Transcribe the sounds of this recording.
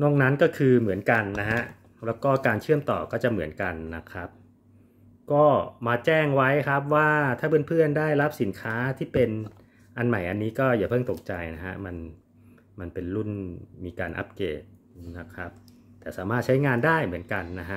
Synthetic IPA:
nɔ˥˩ŋna˦˥nkɔː˥˩kʰɯː˧mɯ˩˦ənka˧nːa˦˥ha˦˥ʔ | lɛː˦˥wkɔː˥˩kaː˧nt͡ɕʰɯ˥˩əmt̪ɔ̰ː˨˩kɔː˥˩t͡ɕa˨˩ʔmɯ˩˦ənka˧nːa˦˥kʰɾa˦˥p̚ | kɔː˥˩maː˧t͡ɕɛː˥˩ŋwa˦˥jkʰɾa˦˥p̚waː˥˩t̪ʰaː˥˩pʰɯ˥˩˨npʰɯ˥˩əndaː˥˩jla˦˥p̚si˩˦nkʰaː˦˥t̪ʰiː˥˩pe˧n | ʔa˧nma˨˩jʔa˧nːiː˦˥kɔː˥˩jaː˨˩pʰɤː˥˩ŋt̪o˨˩k̚t͡ɕa˧jna˦˥kʰa̰˦˥ma˧n | ma˧npe˧nlu˥˩nmiː˧kaː˧nʔa̰˦˥p̚kḛː˨˩t̪̚ | na˦˥kʰɾa˦˥p̚ | t̪ɛː˨˩saː˩˦maː˥˩t̪̚t͡ɕʰa˦˥jŋaː˧ndaː˥˩jmɯ˩˦ənka˧nːa˦˥ɦʰa˦˥ʔ

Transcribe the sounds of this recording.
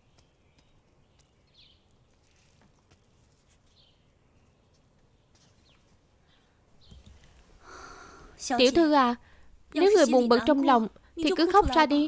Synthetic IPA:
t̪ḭ˧˩əwt̪ʰɨ˧ʔaː˨˩ | ne˨˦wŋɨ˨˩əjmu˨˩nɓə˨˩t̚t͡ɕɔ˧wŋ͡mla˨wŋ͡m | t̪ʰi˨˩kɨ˨˦xa˦˥wk͡p̚zaː˧ɗi˧

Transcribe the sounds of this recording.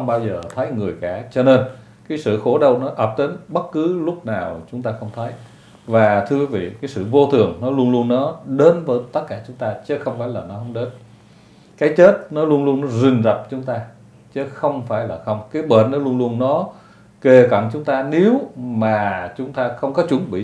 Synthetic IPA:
ə˧ŋ͡mɓaː˧wzəː˨˩t̪ʰə˨˦jŋɨ˨˩əjkaː˧˩t͡ɕɔ˧ne˧n | kaː˨˦jsɨ̰˧˨xo˧˩˦ɗə˨˩wnɔ˨˦ʔəː˨˩p̚t̪i˨˦nɓə˦˥t̚kɨ˨˦lʊ˦˥k͡p̚naː˨˩wt͡ɕʊ˨˦ŋ͡mt̪aː˧xə˧wŋ͡mt̪ʰə˨˦j | vaː˨˩t̪ʰɨ˧əkwi˨˦vḭ˧˨kaː˨˦jsɨ̰˧˨vo˧t̪ʰɨ˨˩əŋnɔ˨˦lu˧ənlu˧ənːɔ˨˦ɗe˨˦nvəː˨˦jt̪ə˦˥t̚kaː˧˩t͡ɕʊ˨˦ŋ͡mt̪aː˧t͡ɕə˦xə˧wŋ͡mfaː˧˩jlaː˨˩nɔ˨˦ɦə˧˦wŋ͡mɗe˨˦n | kaː˨˦jt͡ɕe˦˥t̚nɔ˨˦lu˧ənlu˧ənːɔ˨˦zï˨˩ŋ̟zə˨˩p̚t͡ɕʊ˨˦ŋ͡mt̪aː˧ | t͡ɕə˨˦˥xə˧wŋ͡mfaː˧˩jlaː˨˩xə˧wŋ͡mkaː˨˦jɓə˧˩˨nnːɔ˨˦lu˧ənlu˧ənnɔ˨˦ | ke˨˩ka̰˧˨nt͡ɕʊ˨˦ŋ͡mt̪aː˧ne˨˦wmaː˨˩t͡ɕʊ˨˦ŋ͡mt̪aː˧xə˧wŋ͡mkɔ˨˦t͡ɕʊ˨˦ŋɓḭ˧˨˩

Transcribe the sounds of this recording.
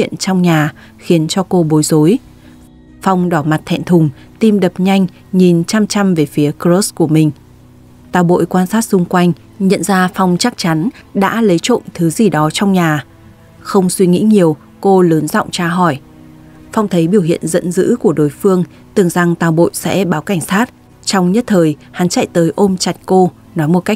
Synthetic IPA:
ḭ˧˨ənt͡ɕɔ˧wŋ͡mɲaː˨˩ | xi˨˦ənt͡ɕɔ˧ko˧ɓo˨˦jzo˨˦j | fa˧wŋ͡mɗɔ˧˩ma˨˩t̚t̪ʰɛ̰˧˨nt̪ʰʊ˨˩ŋ͡m | t̪i˧mɗə˨˩p̚ɲa˧jŋ̟ | ɲi˨˩nt͡ɕa˧mt͡ɕa˧mve˨˩fi˨˦əkzo˦˥sku˧˩əmï˨˩ŋ̟ | t̪aː˨˩wɓo̰˧˨jkwaː˧nsaː˦˥t̚sʊ˧ŋ͡mkwa˧jŋ̟ | ɲə̰˧˨nzaː˧fa˧wŋ͡mt͡ɕa˦˥k̚t͡ɕa˨˦nɗa̰ː˧˥lə˨˦jt͡ɕo̰˧˨nt̪ʰɨ˨˦zi˨˩ɗɔ˨˦t͡ɕɔ˧wŋ͡mɲaː˨˩ | xə˧wŋ͡mswi˧ŋḭ˧˥ɲi˨˩əw | ko˧ləː˨˦nzɔ̰˧˨wŋ͡mt͡ɕaː˧ɦɔ˧˩j | fwŋ͡mt̪ʰə˨˦jɓi˧˩əwhḭ˧˨ənzə̰˧˥nzɨ̰˧˥ku˧˩əɗo˨˦jfɨ˧əŋ | t̪ɨ˨˩əŋza˨˩ŋt̪aː˨˩wɓo̰˧˨jsɛ̰˧˥ɓaː˨˦wka˧˩ŋ̟saː˦˥t̚ | t͡ɕɔ˧wŋ͡mɲə˦˥t̚t̪ʰəː˨˩jha˨˦nt͡ɕa̰˧˨jt̪əː˨˦jʔo˧mt͡ɕa˨˩t̚ko˧ | nɔ˨˦jmo˨˩t̚ka˦˥k̚

